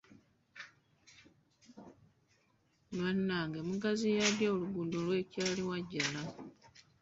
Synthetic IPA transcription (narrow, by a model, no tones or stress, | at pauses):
nwanːaŋɡemuɡazijadjaoluɡundolwe̞caːliwaɟːana